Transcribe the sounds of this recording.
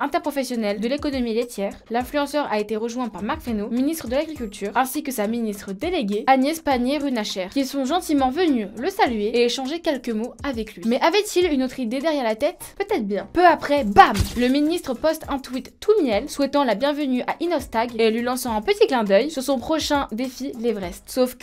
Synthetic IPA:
ɛ̃t̪ɛʁpχɔfɛsjɔnɛld̪əlekɔnɔmilet̪ʰjɛːʁlɛ̃flyɑ̃sœʁaet̪eʁəʒwɛ̃paʁmaʁkfχenominist̪χəd̪əlaɡʁikʲylt̪ʰyːʁɛ̃sikəsaminist̪χəd̪eleɡʲeanjɛspaɲeʁynaʃɛʁkʲilsɔ̃ʒɑ̃t̪imɑ̃vənyləsalɥeeeʃɑ̃ʒekʲɛlkəmoavɛklɥimɛʔavɛt̪ʰilynot̪χid̪ed̪ɛʁjɛʁlat̪ɛt̪pøt̪ɛt̪χbjɛ̃pøapχɛbamləminist̪χəpɔst̪ɛ̃t̪wit̪ːumjɛlswɛt̪ɑ̃labjɛ̃vənyʔaʔinɔst̪aɡelɥilɑ̃sɑ̃ɛ̃pət̪iklɛ̃d̪œjsyʁsɔ̃pχɔʃɛ̃d̪efilivʁɛstsofk

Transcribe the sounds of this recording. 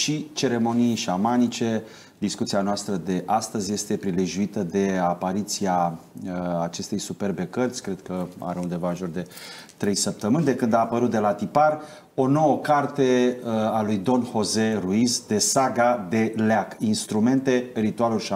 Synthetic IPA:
ʃit͡ʃe̞ɾe̞mo̞nijʃamanit͡ʃe̞ | d̪iskut̪sianoast̪ɾəd̪e̞ʔast̪əzʲje̞st̪e̞pɾileʒuit̪əd̪e̞apaɾit̪siaː | t͡ʃe̞st̪e̞jsupe̞rbe̞kərt̪sʲkɾed̪̚kəa̰ɾeund̪e̞vanʒord̪e̞t̪ɾe̞jsəp̚t̪əmɨnʲd̪e̞kɨnd̪aːpəɾut̪̚d̪e̞lat̪ipar | o̞no̞wəkart̪e̞alujd̪o̞nho̞zeruizd̪e̞saɡad̪e̞leakinst̪ɾume̞nt̪e̞rit̪ualulʃa

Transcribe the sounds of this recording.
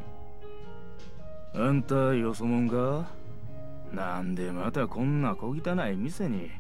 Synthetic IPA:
ant̪ajosomõŋɡa | nand̪e̞mat̪akʰõ̞nːako̞ɡʲit̪anaimiseɲ̟i

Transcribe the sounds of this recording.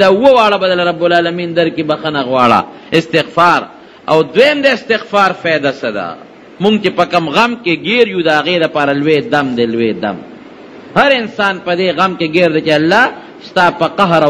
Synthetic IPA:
d̪auwowaːɽabɐd̪ɐlɐɾɐbːʊlaːlɐmiːnd̪ɐɾkibɐxɐnaɣwaːɽa̰ | ɪst̪ɪɣfaːɾ | a̰wd̪wejmd̪aɪst̪ɪɣfaːɾfejd̪asɐd̪a̰ | muŋɡ̚t͡ʃepɐkɐmɣɐmkeɡeɾjud̪ɐɦaɣeːd̪ɐpaːɾalweːd̪ɐmd̪elwed̪ɐ̰m | hɐɾɪnsaːnpɐd̪eːɣɐmkeɡeːɾd̪et͡ʃealːaː | st̪aːpɐqɐɦɾa

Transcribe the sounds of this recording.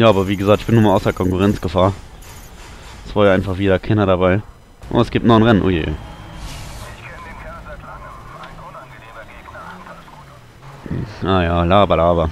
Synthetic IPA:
jaːʔaːbɐviːɡəzaːk̚tɪçb̥ɪnuːmaaʊsɐkʰɔŋkuʁɛnt͡sɡ̥əfaːɐ | ɛsv̥aːɐjaʔaɪnfaχv̥iːdɐkʰɛnɐɾabaɪ | ʔo̰ːɛsɡ̥iːp̚tnɔɪnʁɛnənʔo̰ːjḛːʔ | ʔaːjaːlaːbɐlaːbɐ

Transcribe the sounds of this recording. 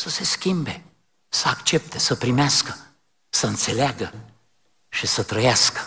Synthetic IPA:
səse̞skʲimbe̞ | səakt͡ʃe̞p̚t̪e̞səpɾimeaskə | səɨnt̪se̞leaɡə | ʃisət̪ɾəjaskə̥

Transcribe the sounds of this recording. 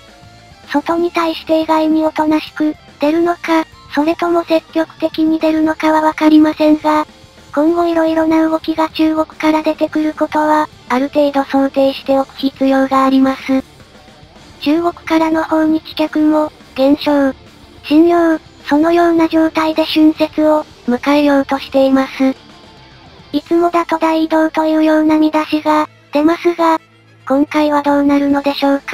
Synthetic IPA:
so̞t̪o̞ɲ̟it̪aiɕi̥t̪e̞iɡaimʲio̞t̪o̞naɕi̥kɯ̟ | d̪̥e̞ɾɯ̟no̞ka | so̞ɾe̞t̪o̞mo̞se̞kʲːo̞kɯ̟̥t̪e̞kʲiɲ̟id̪e̞ɾɯ̟no̞kaβaβakaɾʲimasẽ̞ŋɡa | kõ̞ŋɡo̞iɾo̞iɾo̞naɯ̟ɡo̞kʲiɡat͡ɕɨːɡo̞kɯ̟̥kaɾad̪e̞t̪e̞kɯ̟ɾɯ̟ko̞t̪o̞βaː | ɾɯ̟t̪e̞ːd̪o̞so̞nt̪e̞ːɕi̥t̪e̞o̞kʲi̥iːt͡sɨjo̞ːɡaːɾʲimasɨ | t͡ɕɨːɡo̞kɯ̟̥kaɾano̞hõ̞ɲ̟ikʲi̥kʲakɯ̟mo̞ | ɡ̥ẽ̞ɰ̃ɕo̞ | ɕĩɲjo | so̞no̞jo̞ːnaʑo̞ːt̪aid̪e̞ɕɨ̃ɰ̃se̞t͡sɨo̞ | mɯ̟kaejo̞ːt̪o̞ɕi̥t̪e̞imasɨ | it͡sɨmo̞d̪at̪o̞d̪aid̪o̞ːt̪o̞jɯ̟ːjo̞ːnamʲid̪aɕiɡa | d̪̥e̞masɨɡa | kõ̞ŋkaiβ̞ad̪o̞ːnaɾɯ̟no̞d̪e̞ɕo̞ːkḁ

